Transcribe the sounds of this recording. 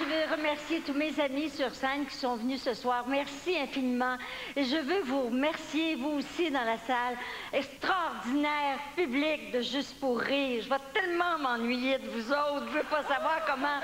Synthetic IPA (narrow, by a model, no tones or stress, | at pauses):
ʒəvɛʁəmɛʁsjet̪umezamisyʁsɛnkʲi̥sɔ̃vənysəswaːʁmɛʁsiɛ̃finimɑ̃eʒəvøvuʁəmɛʁsjevuːsid̪ɑ̃lasal | ɛkst̪ʁaɔʁd̪inɛːʁpyblik̚d̪əʒyst̪puʁiːʁʒəvat̪ɛlmɑ̃mɑ̃nɥijed̪əvuzoʊt̪ʒəvøpasavwaːʁkɔmɑ̃